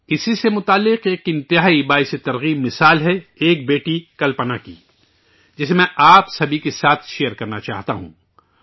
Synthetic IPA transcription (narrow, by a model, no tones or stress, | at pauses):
ɪsisemʊt̪aːlːɪqeːkɪ̃nt̪ɪɦaːibaːjset̪ɐɾɣiːbmɪsaːlɦɛeːk̚beːʈikɐlpənakḭ | d͡ʒɪsemɛ̃ʔaːpsɐbʱikesaːt̪ʰʃeːjəɾkɐɾnat͡ʃa̰ːɦt̪a̰ɦṵ̃ː